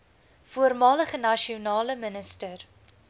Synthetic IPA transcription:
fuərmɑːləχənɐʃiunɑːləmənəstər

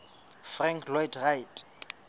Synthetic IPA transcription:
fraŋkʰlwɔjtʰrajtʼ

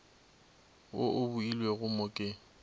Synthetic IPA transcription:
oʔʊbuilweɣʊmʊkʼɪ

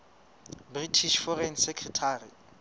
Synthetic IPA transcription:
britʰiʃfɔrɛnsekʰrɛtʰaːri

